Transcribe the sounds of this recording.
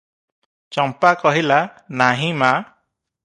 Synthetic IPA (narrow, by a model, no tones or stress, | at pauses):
t͡ʃɔmpakɔɦilanaɦĩma